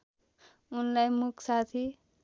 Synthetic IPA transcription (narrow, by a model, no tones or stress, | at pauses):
unlajmukʰsat̪ʰi